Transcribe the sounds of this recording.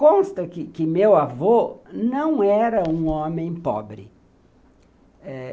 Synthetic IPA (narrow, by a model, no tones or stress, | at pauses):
kõst̪ɐkɪkɪmewavonɐ̃w̃ɛɾɐũõmẽj̃pɔ̰bɾɪ̰ | ɛ